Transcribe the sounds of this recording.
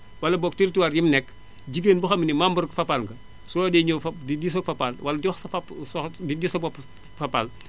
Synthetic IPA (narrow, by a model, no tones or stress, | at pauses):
wɐlɐbɔk̚tiɾtiwaɾjimnɛk | ɟiɡenbuxɐmnimambɐɾkfɐpalŋɡɐ | sɔdɛɲoːfɐdidisɔfɐpalwɐlɐdiwɐxsɐfapsɔdidisɐpɔp | fɐpal